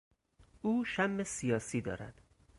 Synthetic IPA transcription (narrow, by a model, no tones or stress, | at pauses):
uːʃæmːesijɒːsiːd̪ɒ̰ːɾæ̰d̪̥